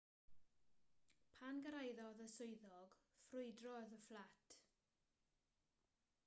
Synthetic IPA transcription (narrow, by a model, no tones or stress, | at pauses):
pʰanɡəɾajðɔðəsʊɨðɔɡ̥frʊɨdrɔðəflatʰ